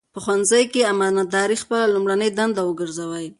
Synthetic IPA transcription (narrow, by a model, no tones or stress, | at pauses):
pəxwanzajkeamɑnad̪ɑɾixpəlalumɽanəjd̪and̪awəɡəɾzawaj